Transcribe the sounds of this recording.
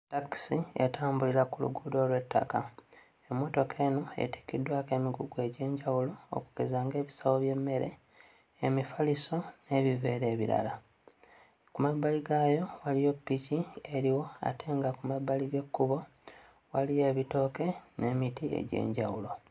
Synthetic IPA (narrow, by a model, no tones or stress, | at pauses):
taksiḛtaːmbulilakulṵɡudo̞ːlwe̞tʰːa̰ka | emːo̞to̞kʰe̞ːnoḛti̥kːidwaːke̞ːmiɡuɡue̞ɟe̞ːɲɟawulo̞̰ːku̥kezaːŋɡe̞ːβisawo̞βje̞mːe̞ɾe̞̰ː | mifaliso̞ne̞βive̞ːɾe̞ːβiɾa̰la | kumabːaliɡajo̞walijo̞pːicieɾiwo̞a̰tʰe̞ːŋɡakumabːaliɡe̞kːuβo̞ | walije̞ːβito̞ke̞ne̞ːmitie̞̰ɟḛːɲɟawulo̞